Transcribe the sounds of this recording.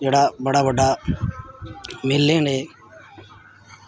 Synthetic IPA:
eːɽaːbəɽaːʋəɖaː | mɪlːẽːɳeː

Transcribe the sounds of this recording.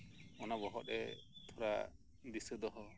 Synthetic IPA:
ɔnabɔɦɔt̪ɛt̪ʰɔɾa | d̪isɯd̪ɔɦɔ

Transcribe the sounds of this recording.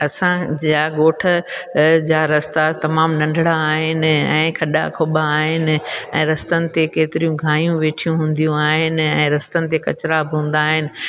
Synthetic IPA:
ɐsãaːɠoːʈʰəd͡ʑaːɾɐst̪at̪ɐmaːmnɐ̃ɳɖʱɽaːɦɪnɪ̆ɛ̃ːkʰɐɗa̰kʰobaːɦɪnɪ̆ɛ̃ːɾɐst̪ənɪ̆t̪ekeːt̪ɪɾijũɡʱaːijũʋeːʈʰijũɦũːn̆d̪ijũaːɦɪnɪ̆ɛ̃ːɾɐst̪ənɪ̆t̪ekɐ̰t͡ɕɾabɪɦũːn̆d̪aːɦɪnɪ̆

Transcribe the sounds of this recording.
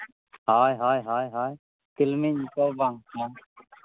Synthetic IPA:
ɦaːjɦaːjɦaːjɦaːj | k̪ɪlmiːɲkoːbãːŋãː

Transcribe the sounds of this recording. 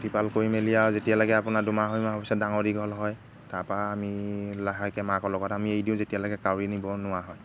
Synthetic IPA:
tipalkoɹimelijawzetijalɔɡɛapʊnadʊmaɦojmaɦɔpisɔdaŋɔdiɡʱɔlɦɔj | tapaːmilaɦakɛmakɔlɔɡɔtamiejdiʊ̃zetijalɔɡɛkawɹinibɔnʊwaɦɔj

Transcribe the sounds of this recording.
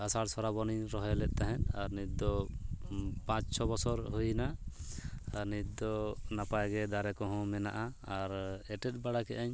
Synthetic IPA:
asaɽsɔɾabɔniɾɔɦɛlɛʔ̪̚ˀt̪aɦɛ̃naɾnit̪̚d̪ɔ | pãt͡ʃt͡ʃʰɔbɔsɔɾɦujna | aɾnit̪̚d̪ɔnapajɡɛd̪aɾɛkɔɦɔ̃mɛna̰ʔaaɾɛʈɛt̪̚ˀbaɽakɛʔaɲ

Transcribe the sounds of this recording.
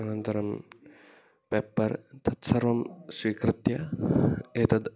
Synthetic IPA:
ɐnɐnt̪ɐɾɐm | peːpːɐɾt̪ʰɐt̪sɐɾʋɐmswiːkɾɨt̪jɐ | eːt̪ɐd̪

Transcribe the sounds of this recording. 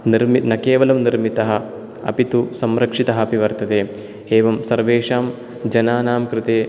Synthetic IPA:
niɾminɐkeːʋɐlɐmniɾmit̪ɐɦɐ̆ | ɐ̰pit̪usɐmɾɐkʂit̪ɐɦɐ̆ɐpiʋɐɾt̪ɐt̪eː | eːʋɐmsɐɾʋeːʂaːm | d͡ʒɐnaːnaːmkɾɪt̪eː

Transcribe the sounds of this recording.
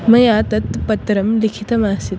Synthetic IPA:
mɐjat̪ɐt̪pɐt̪ɾɐmlikʰit̪ɐmaːsit̪

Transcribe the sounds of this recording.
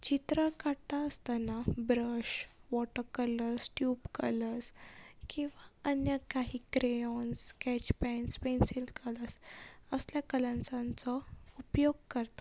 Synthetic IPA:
t͡ɕit̪ɾəkat̪aəst̪anabɾəɕʋɔʈəkələɾsʈjupkə̰ləɾskĩw̃ʋaənjəkaɦiːkɾeɔnskɛt͡ɕpɛnspensilkʰələsəsljakələ̃nsãnt͡səupjoɡ̚kəɾt̪ḁ

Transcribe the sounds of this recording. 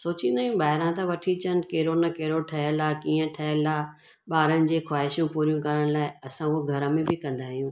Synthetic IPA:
soːt͡ɕĩːnd̪aːjũɓaːɦɪɾãt̪ɐʋɐʈʰit͡ɕən̆keːɾonɐkeːɾoʈʰɐɦəlakiːə̃ʈʰɐɦəlaː | ɓaːɾənɪ̆d͡ʑeːxwaːɦɪʃjũpuːɾijũkɐɾəɽ̃laːɪɐsãʊɦoɡʱɐɾəmẽbɪkɐ̃nd̪aːɦijũː

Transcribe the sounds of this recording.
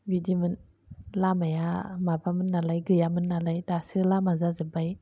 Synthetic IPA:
bidimɯn | lamajamabamɯnːalajɡɯjamɯnːalajdasɯlamazazɯbaj

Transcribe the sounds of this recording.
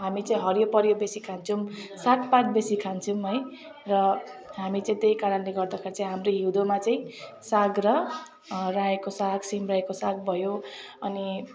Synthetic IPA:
ɦamit͡saĩɦʌɾjopʌɾjobesikʰant͡sʰumsaʈ̚ʰpat̪besikʰant͡sʰumɦʌj | rʌɦamit͡saĩt̪ejkaɾʌnleɡʌrd̪akʰeɾt͡saĩɦamroɦiwd̪omat͡saĩ | saɡrʌ | raekosaɡsimraekosaɡ̚bʱʌjoʌni

